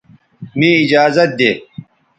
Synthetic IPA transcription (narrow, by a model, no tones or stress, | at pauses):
mĩːid͡ʑaːzɐt̪̚d̪eː